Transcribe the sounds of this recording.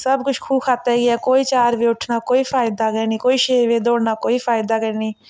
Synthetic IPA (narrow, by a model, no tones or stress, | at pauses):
səbkʊt͡ʃʰkʰuːkʰaːt̪aɛɡɪɛːkoːiːt͡ʃaːɾʋeːʊʈʰnaːkoːiːfaːjd̪aːkəniːkoːiʃeːʋed̪oːɽnaːkoːifaːɪd̪aːkəniː